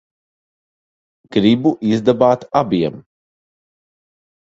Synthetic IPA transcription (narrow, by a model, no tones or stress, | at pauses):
ɡ̥ɾibuʔizd̪abaːt̪abiɛm